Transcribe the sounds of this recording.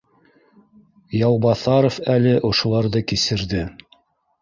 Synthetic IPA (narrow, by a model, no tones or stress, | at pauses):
jɑwˠbɑθɑɾofælɘʔŏʃŏlˠɑɾðɤkisɘ̆ɾðɘ